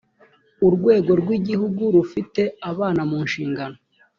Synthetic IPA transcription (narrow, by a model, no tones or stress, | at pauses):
uɾɡwe̞ːɡo̞ɾɡwiɟihuɡuɾufite̞aβaːnamuːnʃiːŋɡano